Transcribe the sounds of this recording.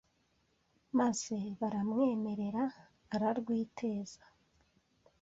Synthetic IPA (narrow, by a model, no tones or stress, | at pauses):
maz̥e̞βaɾamŋe̞ːme̞ɾe̞ɾaː | ɾaɾɡwiːtʰe̞ːz̥ḁ